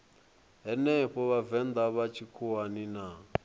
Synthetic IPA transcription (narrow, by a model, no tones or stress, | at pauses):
ɦɛnɛɸɔβavɛnd̪aβat͡ʃʰikʰuanina